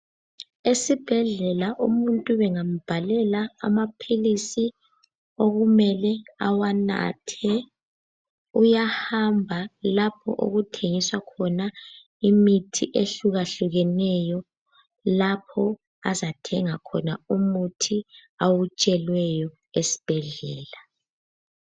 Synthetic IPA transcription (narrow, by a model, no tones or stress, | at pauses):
esib̥ʱɛɮɛlaʔumuntʼuβɛŋam̩b̥ʱalɛla̰ːmapʰilisi | oɣumɛlɛa̰wana̰tʰɛ | ujahambʱalapʰɔ̰ʔo̰ɣutʰeŋiswakʰɔna | imitʰiʔeɬuɣaɬuɣɛnɛjɔ | lapʰɔ | azatʰɛŋakʰɔnaumutʰiawut͡ʃʼɛlwɛjɔ | esi̥b̥ʱɛɮɛːla